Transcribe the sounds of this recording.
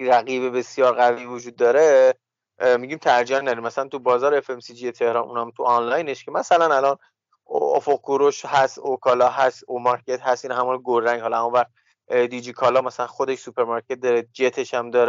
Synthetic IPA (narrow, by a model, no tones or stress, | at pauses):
ɾæɣiːbe̞be̞sjɒːɾɣæviːvod͡ʒuːd̪̚ːɒːɾe | miɟiːmt̪ʰæɾd͡ʒiænːæd̪ɾimæsælænt̪ʰubɒːzɒːɾeefemsid͡ʒijet̪ʰe̞hɾɒːnʔṵnæmt̪ʰuɒnlɒjneʃcʰemæsælænælɒːn | o̰foq̚koɾoʃhæst̪okʰɒːlɒːɦæst̪omɒɾcʰʲe̞t̪hæst̪iːnɦæmuːnɡoɾːæŋɡhɒlɒæmunvæɾt̪̚ | d̪id͡ʒikʰɒlɒːmæsælænxod̪eʃsupʰe̞ɾmɒɾkʰe̞t̪̚d̪ɒːɾed͡ʒet̪ʰe̞ʃæmd̪ɒːɾe